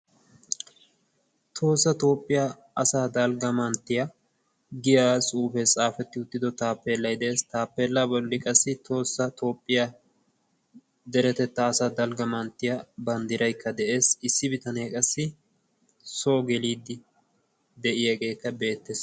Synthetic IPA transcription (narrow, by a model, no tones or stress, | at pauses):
t̪ʰo̞ːsːɐt̪o̞ːpʼːɪja | ɐsaːd̪ɐlɡɐmɐnt̪ːɪjɐ | ɡɪjaːsʼuːfɛt͡sʼaːfɛt̪ːɪʊt̪ːɪd̪ɔt̪aːpːeːlːɐjd̪ɛeːst̪aːpːeːlːabɔlːɪkʼɐsːɪt̪ʰo̞ːsːɐt̪o̞ːpʼːɪja | d̪ɛɾɛt̪ɛt̪ːɐːsaːd̪ɐlɡɐmɐnt̪ːɪjɐbɐnd̪ɪɾɐjkːɐd̪ɛʔe̞ːsɪsːɪbɪt̪ɐneːkʼɐsːɪ | soːɡɛliːd̪ːɪ | d̪ɛʔɪjɐɡe̞ːkːɐbe̞ːt̪ːes